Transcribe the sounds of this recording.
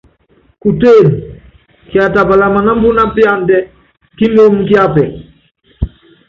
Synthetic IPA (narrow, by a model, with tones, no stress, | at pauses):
ku˨te˦˨n | ki˨a˨ta˨pa˨la˨ma˨na˦mbu˦na˦pja˦ndɛ˦ | ki˦mo˦mki˦a˦pɛ˨